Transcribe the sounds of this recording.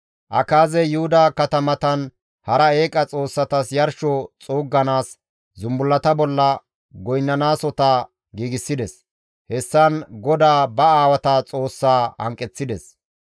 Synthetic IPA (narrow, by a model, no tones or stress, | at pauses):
ʔɐ̰kaːzɛjʊhʊd̪aːkɐt̪ɐmɐt̪ɐn | hɐɾɐe̞ːkʼɐt͡sʼo̞ːsːɐt̪ɐsjɐɾʃɔt͡sʼuːɡːɐnaːs | zʊmbʊlːɐt̪ɐbɔlːɐ | ɡɔjnːɐnaːsɔt̪a | ɡiːɡɪsːɪd̪ɛs | hɛsːɐnɡɔd̪aːbɐaːwɐt̪ɐt͡sʼo̞ːsːaːhɐ̰ŋkʼːɛt͡sːɪd̪ɛs